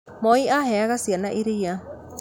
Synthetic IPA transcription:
mɔiaɦeaɣasianaʔiɾia

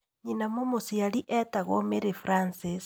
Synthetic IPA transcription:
ɲinamomosiaɾiʔɛtaɣomeɾefɾansis

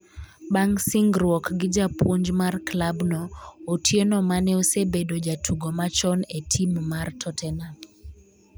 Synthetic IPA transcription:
baŋsiŋɡɾwɔkɡɪd͡ʒapwoɲd͡ʒmarklabnɔotʰjenɔmanɛosebedod͡ʒatʰuɡɔmat͡ʃɔnetʰimmartʰɔtʰɛna

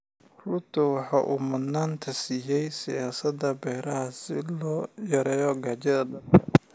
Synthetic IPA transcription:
rʊt̪ʰʊwɑħɑːʔuːmɐd̪naːnt̪ʰɐsiːjɛjsɪjaːsɐd̪ɐbɛːɾɐɦɐsɪ̰lɔːjɐɾɛːjɔɡaːt͡ʃɐðɐɖɐ

